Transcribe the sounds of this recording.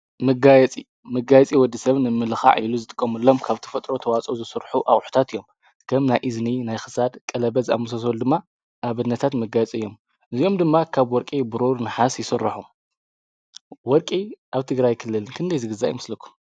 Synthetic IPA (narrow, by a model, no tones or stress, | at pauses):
mɐɡajɛt͡sʼḭ | mɐɡajɛt͡sʼiwɔd̪ːisɐβnɨmːɨlɨxa̰ʕiluzɨt̪ʼɨkʼːɐmɨlːo̞mkʰaβt̪ʰɐ̥fɐt̪ʼɾo̞t̪ʰɐwat͡sʼozɨsɨɾħuʔaχʼħu̥t̪ʰat̪ɨjːo̞m | kʰɐmnajʔizninajxɨ̥sad̪kʼɐlɐβɐza̰mɨs̬ɐs̬old̪ɨmːa | ʔaβɨnːɐt̪ʰat̪mɐɡajɛt͡sʼɨjːo̞m | ʔɨzijo̞md̪ɨmːakʰaβwɔɾkʼibɨɾoɾnɨħasjɪsɨrːaħum | wɔɾkʼiʔaβt̪ʰɨɡɾajkʰɨlːɨlnkʰɨnd̪ɐjzɨɡɨzajimɨslɐkʰːu̥m